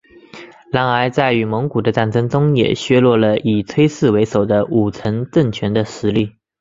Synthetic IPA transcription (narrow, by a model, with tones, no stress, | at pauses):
la˧˥ŋa˧˥ɪt͡sa˥˩ɪy˧˥mɤ˧˥ŋku˨˩d̪ə˦ʈ͡ʂa˥˩nʈ͡ʂɤ˥ŋʈ͡ʂʊ˥ŋjɛ̰˨˩ɕɥɛ˥lwɔ˥˩lə˨i˨˩t͡sʰwe˥ɪsɹ̩˥˩we˧˥ɪʂo˨˩ʊd̪ə˦u˨˩t͡sʰə˧˥nʈ͡ʂə˥˩ŋt͡ɕʰɥɛ˧˥nd̪ə˧ʂɻ̩˧˥li˥˩